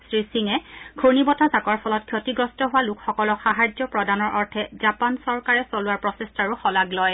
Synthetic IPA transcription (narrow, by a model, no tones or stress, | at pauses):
sɹisiŋɛɡʰonibɔtasakɔɹpʰɔlɔt̚kʰjotiɡɹɔstɔɦʊwalukxɔkɔlɔxaɦad͡ʒɔpɹɔdanɔɹʔɔɹtʰɛzapansɔɹkaɹɛsolʊwaɹpɹɔsestaɹuxɔlaɡlɔj